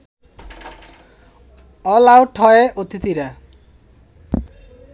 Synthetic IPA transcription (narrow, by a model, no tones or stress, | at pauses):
ɔlawʈʰɔeʔot̪ʰit̪iɾa